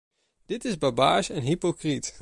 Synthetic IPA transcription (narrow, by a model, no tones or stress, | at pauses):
d̥ɪtɪzbabaːʃɛnɦipokrit